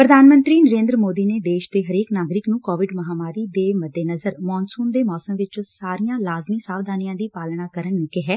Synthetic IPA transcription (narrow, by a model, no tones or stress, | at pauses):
pɾəd̪ʱaːnmə̃nt̪ɾiːnəɾẽːnd̪ɾəmoːd̪iːneːd̪eːʃd̪eːɦəɾeːknaːɡɾɪknũːkɔːʋɪɖməɦaːmaːɾiːd̪eːməd̪ːeːnəzəɾmɔːnsuːnd̪eːmɔːsəmʋɪt͡ʃsaːɾijãːlaːzmiːsaːʋd̪aːnijãːd̪iːpaːlɳaːkəɾəɳnũːkɪɦɛː